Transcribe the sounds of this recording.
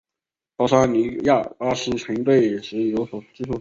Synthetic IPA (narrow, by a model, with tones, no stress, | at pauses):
pɑ˥˩ʊʂa˥ni˧˥ja˥˩pa˥ʂɻ̩˥ʈ͡ʂʰə˧˥ŋi˥˧˥t̪we˥˩ɪjɛ˨˩ʂɻ̩˥˩jo˧˥ʊswɔ˨˩t͡ɕi˥˩ʈ͡ʂʰu˥˩